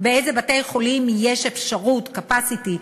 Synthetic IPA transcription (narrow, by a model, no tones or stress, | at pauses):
beezebate̞jχo̞limjeʃefʃaʁutkapasiti